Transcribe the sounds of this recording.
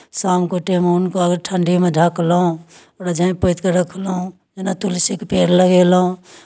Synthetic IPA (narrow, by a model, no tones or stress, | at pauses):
samkoʈemeunkoəɡɾʈʰəɳɖimed͡ʒʱaklɦũ | ɾad͡ʒʱəĩpəɪt̪keɾəkʰlɦũ | d͡ʒenat̪ulisikpeɾləɡelɦũ